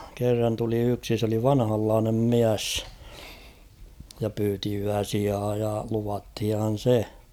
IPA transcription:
kerːɑn tuli yksi s oli ʋɑnhɑlːɑːnem miæsː jɑ pyːti yæsiɑː jɑ luʋɑthihɑn̞ se

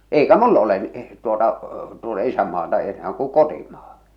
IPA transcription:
eikæ mulː ole n tuotɑ tuotɑ isæmːɑːtɑ enæː kuŋ̆ kotimɑ̥ː

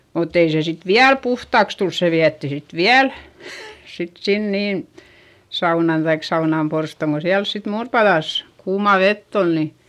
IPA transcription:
mutː ei se sit ʋiæl puhtɑˑks tuls se ʋiætːi sit ʋiæl sit sin niːn̞ sɑunɑn tɑik sɑunɑˑmporstoˑŋ ko siæls sit muːrpɑðɑˑs kuːmɑˑ ʋetː ol ni

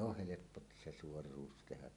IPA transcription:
oh helepːo t se suorˑuːs tehæ

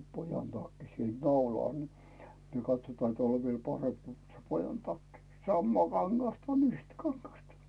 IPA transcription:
pojɑn tɑkːi siel nɑulɑˑl ni niːŋ kɑtsotɑːn teæˑl oʋ ʋiel pɑremp ko se pojɑn tɑkːi sɑmːɑː kɑŋɡ̊ɑstɑ on yhtæ kɑŋɡ̊ɑstɑ

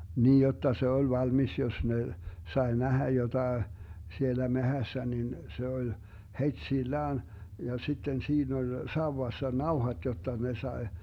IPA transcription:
niːj jotːɑ se olʲ ʋɑlmis jos ne sɑe næhæ jotɑe sielæ mehæsːæ nin se olʲ hetsilːæːn jɑ sitːen siːn olʲ sɑuwɑsːɑ nɑuhɑt jotːɑ ne sɑe

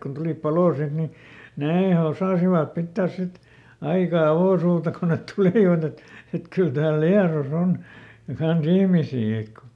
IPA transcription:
kun tuliˑp pɑloː sit ni neː osɑˑsiʋɑp pitːæːs sit ɑikɑ ɑʋoˑsuːtɑ ko net tuliˑʋɑt et et kyl tæːl liɑros on kɑns ihmisiː ek

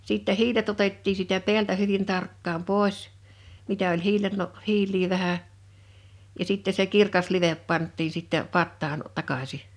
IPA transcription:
siˑtːɛ hiːlet otetːiː siːtæ pe̝æltæ hyʋin tɑrkːɑːm poˑes mitæ olʲ hiːlelːo hiːlˑiː ʋæhæ jɑ sitːe se kirkɑs liʋep pɑntːiːn̞ sitːe pɑtːɑːn tɑkɑsi

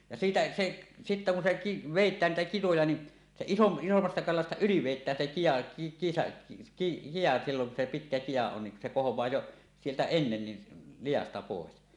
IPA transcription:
jɑ siːtæ seʔ sitːæ kun se ki ʋeˑitˑæːn niːtæ kitojɑ ni se isom isomːɑstɑ kɑlɑstɑ yli ʋeˑitˑæːn se kijɑ ki kijɑ silːoŋ ku se pitkæ kijɑ on niŋ ku se kohowˑɑː jo sieltæ enːen ni lijɑstɑ poˑes

